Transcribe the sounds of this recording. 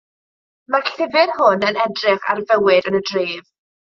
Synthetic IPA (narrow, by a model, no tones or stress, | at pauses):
maɬɪvɪrhʊnənɛdrɪχa̰rvəwɪdənədriːv